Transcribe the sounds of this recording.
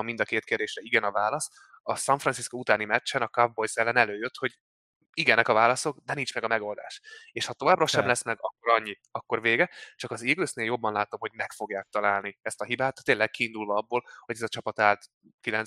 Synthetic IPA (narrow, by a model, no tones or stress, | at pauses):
ɒmind̪ɒkeːt̪keːrd̪eːʃrɛiɡɛnɒvaːlɒs | ɒsɒɱfrɒnsiskout̪aːnimɛt͡ʃːɛnɒkɒvbo̞jsɛlːɛnɛløːjøt̪ho̞ɟ | iɡɛnɛkɒvaːlɒso̞ɡd̪ɛnint͡ʃmɛɡɒmɛɡo̞ld̪a̰ːʃeːʃhɒt̪o̞vaːbrɒʃɛmlɛsmɛɡɒkːo̞ɾɒɲːiɒkːo̞ɾveːɡɛt͡ʃɒkɒziːɡløːsneːljo̞bːɒnlaːt̪o̞mho̞ɟmɛkfo̞ɡjaːk̚t̪ɒlaːlniɛst̪ɒɦibaːt̪ːt̪ːeːlːɛk̚kiːnd̪ulvɒɒbːoːlho̞ɟɛzɒt͡ʃɒpɒt̪aːlt̪ | kilɛn